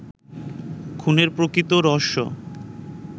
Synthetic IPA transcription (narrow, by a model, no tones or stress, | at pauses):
kʰuneɾpɾokɾit̪oɾɔʃo̰